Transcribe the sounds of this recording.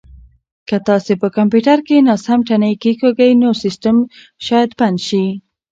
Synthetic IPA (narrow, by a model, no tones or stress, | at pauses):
kət̪ɑsepəkampjuʈaɾkenɑsamʈanəjkikoɡəjnosisʈəm | ʃɑjad̪panʃi